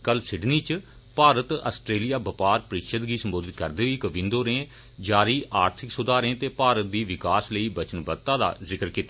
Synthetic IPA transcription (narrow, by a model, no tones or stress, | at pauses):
kəlsɪɖniːt͡ʃ | paːɾət̪ə̰sʈɾeːlɪjaːbəpaːɾpəɾɪkʃət̪ɡiːsəmboːd̪ɪt̪kəɾd̪eːʋiːkəʋɪ̃nd̪oːɾẽː | d͡ʒaːɾiːʔaːɾt̪ʰɪksʊd̪aːɾẽːt̪eːpaːɾət̪̚d̪iːʋɪkaːsləiːbət͡ʃənbət̪ːãːd̪a̰ːzɪkəɾkiːt̪ːa